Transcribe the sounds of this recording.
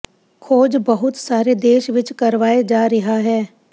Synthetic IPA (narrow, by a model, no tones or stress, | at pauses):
kʰoːd͡ʒbɐɦʊt̪saːɾed̪eːʃʋɪt͡ʃkɐɾʋaːed͡ʒaːɾɐɦaɦɛː